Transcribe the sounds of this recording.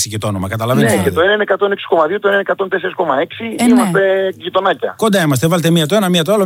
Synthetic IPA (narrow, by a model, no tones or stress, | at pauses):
sicet̪oono̞mɐkɐt̪ɐlɐvenecet̪oenɐnekɐt̪o̞neksi̥ko̞mɐðiot̪oenenekat̪o̞nt̪eseɾisko̞mɐe̞ksiimɐsst̪e̞ʝit̪o̞nɐcɐ̰ko̞nd̪ɐimɐs̬t̪evɐlet̪emiɐt̪oenɐmiɐt̪o̞ɐlo